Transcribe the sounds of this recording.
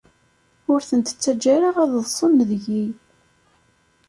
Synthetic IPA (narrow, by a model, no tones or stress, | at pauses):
ʊɾθənt̪ə̥t͡sːæd͡ʒːæɾaʁæððˤsˤənːðʝij